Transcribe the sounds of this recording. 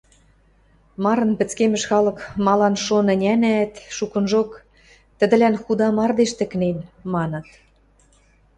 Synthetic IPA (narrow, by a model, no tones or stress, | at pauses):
mɑɾɤ̆npɘ̆t͡skemɘ̆ʃxɑlɤ̆kmɑlɑnʃonɘ̆nʲænæt̪ʃukɤ̆nʒok | t̪ə̆d̪ə̆lænxud̪ɑmɑrd̪eʃt̪ə̆knenmɑnɤ̆t̪